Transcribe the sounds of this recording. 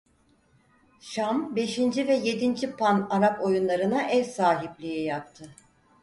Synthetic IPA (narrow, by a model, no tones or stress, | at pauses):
ʃambe̞ʃind͡ʒivɛje̞d̪ind͡ʒipʰanaɾapo̞junlˠaɾɯnaʔɛɾsaːɦiblʲijɛjap̚t̪ʰɯ